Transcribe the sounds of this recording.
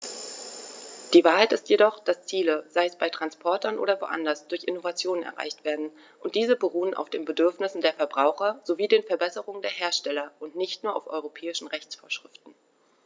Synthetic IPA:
d̥iːvaːɐɦaɪtɪstjedɔχd̥ast͡siːləzaɪəsb̥aɪtʁ̥anspʰɔɐtʰɐnʔo̰ːdɐvo̰ːʔa̰ndɐsd̥ʊɐçʔɪnovat͡sjoːnənɛ̰ɐʁa̰ɪçtv̥eːɐdn̩ | ʔʊnt̚d̥iːzəbəʁuːənʔa̰ʊfd̥eːnbədʏɐfnɪsn̩deːɐfɛɐbʁaʊxɐz̥oviːdeːnfɛɐbɛsəʁʊŋəndeːɐɦeːɐʃtɛlɐʔʊntnɪçtnuːɐʔa̰ʊfʔɔʏʁopʰɛːɪʃn̩ʁɛçt͡sfoːɐʃʁ̥ɪftn̩

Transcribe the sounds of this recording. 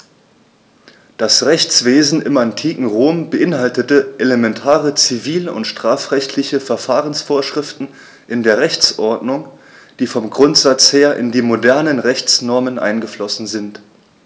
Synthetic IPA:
d̥asʁɛçt͡sv̥eːzn̩ɪ̰mantʰiːkŋ̩ʁoːmbəʔɪnhaltətəʔelemɛntʰaːʁət͡siviːləʊ̰ntʃtʁ̥aːfʁɛçtʰlɪçəfɛɐfaːʁənsfoːɐʃʁ̥ɪftn̩ | ʔɪndeːɐʁɛçt͡sʔɔɐdnʊŋd̥iːfɔmɡʁʊntz̥at͡sheːɐʔɪ̰ndiːmodɛɐnənʁɛçt͡snɔɐmənʔa̰ɪnɡəflɔsn̩zɪnt

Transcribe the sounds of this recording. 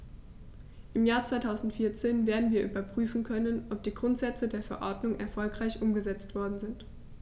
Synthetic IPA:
ʔɪmjaːɐt͡sv̥aɪtʰaʊzn̩tfiːɐt͡seːnveːɐdn̩viːɐʔyːbɐpʁ̥yːfn̩kʰœnənʔɔp̚d̥iːɡʁʊntz̥ɛt͡sədeːɐfɛɐʔɔɐdnʊŋʔɛ̰ɐfɔlkʁ̥aɪçʔʊmɡəzɛt͡stv̥ɔɐdn̩zɪnt

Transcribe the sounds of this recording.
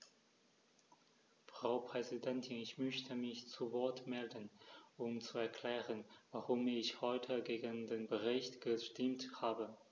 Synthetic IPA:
fʁ̥aʊpʁ̥ɛzidɛntʰɪnɪçmœçtʰəmɪçt͡suvɔɐtmɛldənʔʊmt͡suɛɐkʰl̥ɛːʁənvaʁʊmɪçhɔʏtʰəɡeːɡəndeːnbəʁɪçtɡ̥əʃtɪmthaːbə

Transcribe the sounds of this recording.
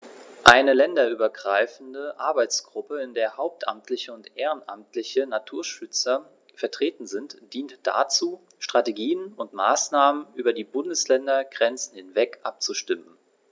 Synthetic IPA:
ʔaɪnəlɛndɐʔyːbɐɡʁaɪfn̩dəʔa̰ɐbaɪt͡sɡ̥ʁʊpəɪndeːɐhaʊp̚tʔa̰mtʰlɪçəʊntʔeːʁ̞ənʔa̰mtlɪçənatʰuːɐʃʏt͡sɐ | fɛɐtʁ̥eːtn̩zɪntd̥iːntd̥a̰t͡suː | ʃtʁ̥ateɡiːənʊntma̰ːsnaːmənʔyːbɐdiːbʊndəslɛndɐɡ̥ʁɛnt͡sn̩hɪnvɛkʔap̚t͡suʃtɪmən

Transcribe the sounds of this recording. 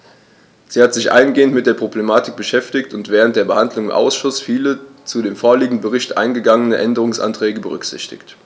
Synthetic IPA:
z̥iːhatz̥ɪçʔa̰ɪənɡeːəntmɪt̚d̥eːɐpʁ̥oblemaːtɪk̚b̥əʃɛftɪktʊntv̥ɛːʁ̞ənt̚d̥eːɐbəhandlʊŋʔa̰ʊsʃʊsfiːlət͡sudeːmfoːɐliːɡŋ̩d̩bəʁ̞ɪçtʔa̰ɪnɡəɡaŋənəʔɛndəʁ̞ʊŋsʔa̰ntʁ̥ɛːɡəbəʁʏkz̥ɪ̰çtɪ̰çt

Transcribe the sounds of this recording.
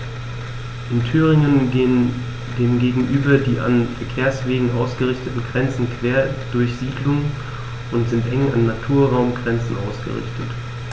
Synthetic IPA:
ʔɪntʰyːʁ̞ɪŋən | deːmɡeːɡŋ̩ʔyːbɐdiːʔa̰nfɛɐkʰeːɐsv̥eːɡŋ̩ʔaʊsɡ̥əʁɪçtətn̩ɡʁɛnt͡sn̩kv̥eːɐd̥ʊɐçz̥iːdlʊŋ | ʔʊntz̥ɪntʔɛŋa̰nːatʰuːɐʁaʊmɡʁɛnt͡sn̩ʔa̰ʊsɡ̥ə̰ʁɪ̰çtət

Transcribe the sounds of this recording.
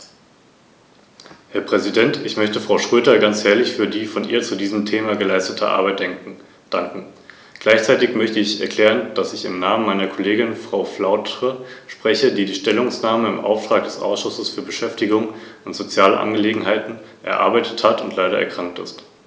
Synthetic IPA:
hɛɐpʁ̥ɛzidɛntɪçmœçtəfʁ̥aʊʃʁ̥øːdɐɡant͡shɛːɐlɪçfyːɐdiːfɔnʔiːɐt͡sudiːzəm̩tʰeːmaɡəlaɪstətʰə̰ʔa̰ɐbaɪt̚d̥ɛŋkŋ̩ | d̥aŋkŋ̩ | ɡ̥laɪçt͡saɪtɪçmœçtəɪçɛ̰ɐkʰl̥ɛːʁənd̥asɪçɪ̰mnaːmənmaɪnɐkʰoleːɡɪnfʁ̥aʊflaʊtʁəʃpʁ̥ɛçədiːdiːʃtɛlʊŋsnaːməɪmʔa̰ʊftʁ̥aːk̚d̥ɛsʔa̰ʊsʃʊsəsfyːɐbəʃɛftɪɡʊŋʊntz̥ot͡sjaːlə̰ʔa̰nɡəleːɡŋ̩ɦaɪtn̩ʔɛ̰ɐʔa̰ɐbaɪtʰə̥thatʊntʰlaɪɾɐʔɛ̰ɐkʁ̥aŋk̚tɪ̰st

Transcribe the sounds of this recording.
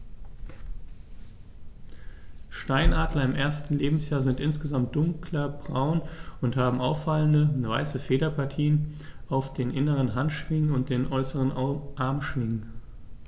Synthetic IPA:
ʃtaɪnʔaːdlɐɪmʔeːɐstn̩leːbm̩sjaːɐzɪntʔɪnsɡ̥əzamt̚d̥ʊŋklɐbʁaʊnʊnthaːbm̩ʔaʊfaləndəva̰ɪsəfeːɾɐpʰaɐtʰiːənʔaʊfd̥eːnʔɪnəʁənɦantʃv̥ɪŋənʊnt̚d̥eːnʔɔʏsəʁənʔaɐmʃv̥ɪŋn

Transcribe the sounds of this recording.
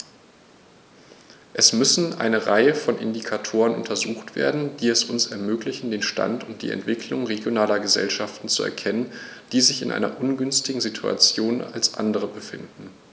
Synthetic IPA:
ʔɛsmʏsn̩ʔa̰ɪnəʁaɪəfɔnʔɪndikʰatʰoːʁənʔʊ̰ntʰɐzuːxtv̥ḛːɐdn̩d̥iːɛsʊnsɛɐmøːklɪçn̩deːnʃta̰ntʊnt̚d̥ḭːʔɛ̰ntv̥ɪkʰlʊŋʁeɡjonaːlɐɡəzɛ̰lʃaftn̩t͡suɛ̰ɐkʰɛnənd̥iːzɪçɪ̰nʔa̰ɪnɐ̰ʔʊnɡʏnstɪɡŋ̩zitʰua̰t͡sjoːna̰lsʔa̰ndəʁ̞əbəfɪndn̩

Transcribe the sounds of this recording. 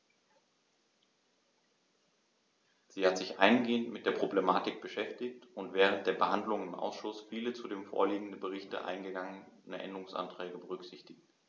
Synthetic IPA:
z̥iːhatz̥ɪçʔa̰ɪnɡeːəntmɪt̚d̥eːɐpʁ̥oblemaːtɪk̚b̥əʃɛftɪçtʊntv̥ɛːʁ̞ənt̚d̥eːɐbəhandlʊŋɪmʔa̰ʊsʃʊsfiːlət͡sudeːmfo̰ːɐliːɡŋ̩dəbəʁ̞ɪçtə̰ʔa̰ɪnɡəɡaŋənʔɛ̰ndəʁʊŋsʔa̰ntʁ̥ɛːɡəbəʁ̞ʏkz̥ɪçtɪçt

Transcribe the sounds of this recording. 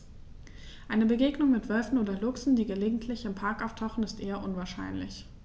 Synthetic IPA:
ʔaɪnəbəɡeːɡnʊŋmɪtv̥œlfn̩oːdɐlʊksn̩diːɡəleːɡŋ̩tʰlɪçɪmpʰaɐkaʊftʰaʊxn̩ɪstʔeːɐʔʊnvaːɐʃa̰ɪnlɪ̰ç

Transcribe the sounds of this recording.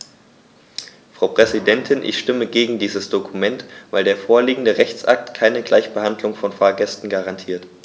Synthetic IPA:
fʁ̥aʊpʁ̥ɛzidɛntʰɪnʔɪ̰çʃtɪməɡeːɡŋ̩diːzəsd̥okʰumɛntvaɪldeːɐfoːɐliːɡŋ̩dəʁɛçt͡sʔa̰k̚tkʰaɪnəɡlaɪçb̥əhandlʊŋfɔnfaːɐɡɛstn̩ɡaʁantʰiːɐt

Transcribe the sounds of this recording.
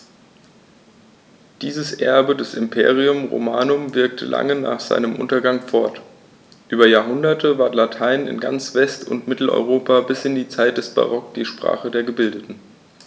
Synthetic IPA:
d̥iːzəsʔɛɐbədɛsɪmpʰḛːʁ̞iʊmʁo̰maːnʊmvɪɐk̚tʰə̰lʔa̰ŋəna̰ːχz̥a̰ɪnəmʔʊ̰ntɐɡaŋfɔɐt | ʔyːbɐjaːɐɦʊndɐtʰəvaːɐtlatʰaɪnɪ̰nɡa̰nt͡sv̥ɛstʰʊ̰ntmɪtl̩ɔ̰ʏʁ̞oːpʰabɪsʔɪndiːt͡saɪt̚d̥ɛsb̥a̰ʁɔkd̥iːʃpʁ̥a̰ːχədeːɐɡəbɪldətn̩

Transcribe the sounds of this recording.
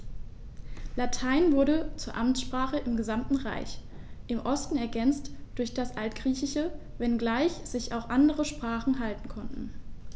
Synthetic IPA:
latʰaɪnvʊɐɾət͡suːɐʔamtsʃpʁ̥aːχəʔɪmɡəzamtn̩ʁa̰ɪç | ʔɪmʔɔstn̩ɛɐɡɛnt͡std̥ʊɐçd̥asʔaltɡ̥ʁiːçɪʃəvɛnɡlaɪçz̥ɪçaʊxʔandəʁəʃpʁ̥aːχn̩ɦaltn̩kʰɔntn̩

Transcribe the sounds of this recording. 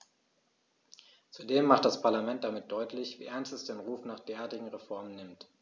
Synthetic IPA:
t͡sudeːmːaχt̚d̥aspʰaɐlamɛnt̚d̥amɪt̚d̥ɔʏtʰlɪçv̥iːʔɛɐnstɛsd̥eːnʁuːfnaːχd̥eːɐʔaːɐtɪɡŋ̩ʁefɔɐmənːɪmt

